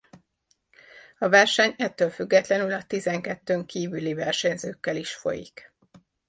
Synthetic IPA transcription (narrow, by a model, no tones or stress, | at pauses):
ɒvɛrʃɛɲɛt̪ːøːlfyɡːɛt̪lɛnylɒt̪izɛŋkɛt̪ːøːŋkiːvylivɛrʃɛɲzøːkːɛliʃfo̞̰jḭk